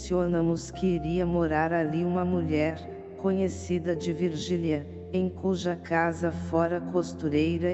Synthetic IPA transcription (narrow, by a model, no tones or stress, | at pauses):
sionɐmʊskʰɪiɾiɐmoɾaɾaliũmɐmuʎɛɾ | kõɲesid̪ɐd͡ʒɪviɾʒiljɐ | ẽj̃kuʒɐkazɐfɔɾɐkost̪uɾejɾɐ